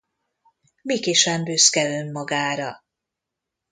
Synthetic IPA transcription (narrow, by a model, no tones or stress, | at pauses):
mikeːʃɛmbøskɛlømːɒɡaːɾɒ